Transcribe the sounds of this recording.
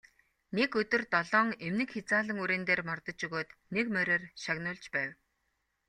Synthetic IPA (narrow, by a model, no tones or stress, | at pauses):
nekɵt̪ɵ̆rt̪ɔɮɔːŋemnɘ̆kxet͡saːɮə̆ŋuɾeːnt̪eːrmɔrt̪ə̆t͡ɕuɣoːt̪nekmæɾʲeːrʃaɣnʊːɮt͡ɕpæːw